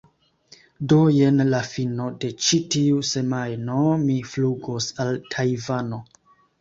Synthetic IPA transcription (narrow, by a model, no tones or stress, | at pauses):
doje̞nlafino̞de̞t͡ʃitiuse̞majno̞mifluɡosaltʰajvano̞